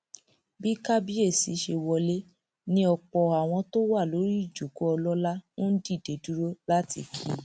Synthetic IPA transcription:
bi˦ka˦bi˦e˦˨si˨˦ʃe˧wɔ˧le˦ | nĩ˦ɔ˧k͡pɔ˧a˨w̃ɔ̃˧to˦wa˦˨lo˨˦ɾi˦˨d͡ʒo˨ko˦ɔ˧lɔ˦la˦nõ˦n̩˦di˦˨de˨du˦ɾo˦la˦tḭ˦˨kʰḭ˦

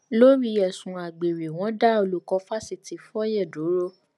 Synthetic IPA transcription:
lo˦ɾi˧jɛ˨sũ˨a˨ɡ͡be˨ɾe˨w̃ɔ̃˨˦da˦o˧lu˨kɔ˧˦fa˦si˧ti˨˧˦fɔ˦jɛ˦˨du˨˦ɾo˦

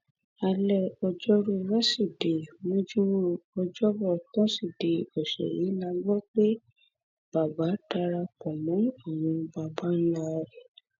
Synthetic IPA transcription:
a˧lɛ˧˨ɔ˧d͡ʒɔ˦ɾo˦˧ɾa˦si˦˨de˨mõ˦d͡ʒũ˦w̃ɔ̃˦ɔ˧d͡ʒɔ˦bɔ˦˨tã˦si˦˨de˨ɔ˨ʃɛ̰˨ji˨˦la˧ɡ͡bɔ˦k͡pe˦ | b̥a˨ba˨˦ta˧ɾa˧kɔ˨mɔ̃˨˦o˦˨w̃ũ˧ba˨ba˦n̩˦la˧˦ɾɛ˨

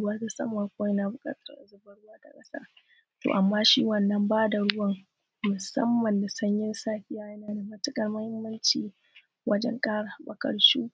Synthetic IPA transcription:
wɐ˦da˦sɐ̰˦ma˨kʷoː˦jɐ˦naː˨bʊ˨kʼa̰ː˦tʰɐ˦rʔa̰˨zʊ˦bɐ˦ɽʊ˦waː˦da̰˨kʼɐ˦sa̰ː˦ | to̰˨ʔa˨mːaː˦ʃi˦wɐ˨nːɐ˦mbaː˦da˨ɽʊ˦wɐ˦ŋ | mʊ˨sɐ̰˦mːɐ˨nda˨sɐ˦ɲjɪ˦nsaː˦ɸʲɪ˦jaː˦jɐ˦naː˨da˨mɐ˦tʊ˦kʼɐ˨rmɐ˦hɪ˦mːɐ˦nt͡ʃiː˨ | wʔɐ˦d͡ʒɛ̰˦ŋkʼaː˦ɽa˨bɐ˨kɐ̰˦ɽʃuː˦

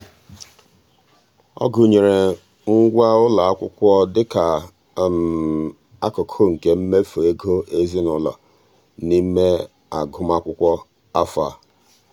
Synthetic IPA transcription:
ɔ̰˦ɡʊ˨ɲe˨ɾe˨ | ŋ̩˦ɡʷa˦ʊ˦la˨a˦kʷʊ˦kʷɔ˦dɪ˦ka˨ | m̩˨ | a˦kʊ˨kʰo˦ŋ̩˨ke˦m̩˦me˦fo˨e˦ɡo˦ʔe˦zi˦nʊ˦la̰˨ | ni˦me˦ | a˨ɡʊ˦m˦a˦kʷʊ˦kʷɔ˦ | a˦fa˨

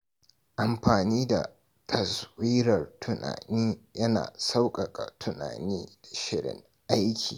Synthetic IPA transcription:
ʔa˨mɸaː˨niː˦da̰˨ | tʰɐ˨swiː˦ɾɐ˨rtʰʊ˨na̰ː˨niː˦jɐ˦na̰ː˨sa˦wkʼɐ˨kʼa̰˨tʰʊ˨na̰ː˨niː˦dḁ˨ʃɪ˦ɽɪ̰˨ŋ | ʔa˦jkʲʰḭː˨

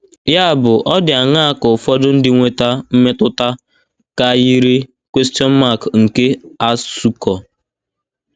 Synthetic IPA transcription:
ja˦˨bʊ˨ʔɔ˦dɪ˨a˨ŋa˦a˦kʊ˨fɔ˦dʊ˦n̩˦dɪ˦ŋʷe˦ta˦m̩˦me˦tʊ˦ta˦ | ka˦ji˦ɾi˦ | kʷwe˦sti˦ɔ˦n˦ma˦˨kŋ̩˨ke˦a˦su˦kɔ˨

